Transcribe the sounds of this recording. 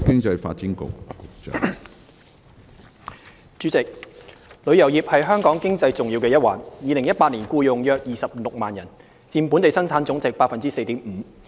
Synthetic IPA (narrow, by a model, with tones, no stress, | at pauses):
kɪ˥ŋt͡sɐ˧jfa̰ː˧t̚t͡si˨˥nkʊ̰˨k̚ʊ˨k̚t͡ʃː | t͡ʃyː˨˥t͡sɪ˨k̚lɵ˨˧ɥjɐ˨˩wjiː˨p̚hɐ˨jɦœː˥ŋkɔː˨˥ŋkɪ˥ŋt͡sɐ˧jt͡sʊ˨ŋjiː˧wkɛ˧jɐ˥t̚waː˨˩njiː˨˧lɪ˨˩ŋjɐ˥t̚paː˧t̚liː˨˩nkuː˧jʊ˨ŋjœː˧k̚jiː˨˩sɐ˨p̚lʊ˨k̚maː˨njɐ˨˩n | t͡siː˧mpu˨˥nt̪e˨jsɐ˥nt͡sʰaː˨˥nt͡sʊ˨˥ŋt͡sɪ˨k̚paː˧t̚fɐ˨nt͡siː˥se˧jt̪iː˨˥mm̩ː˨˩˦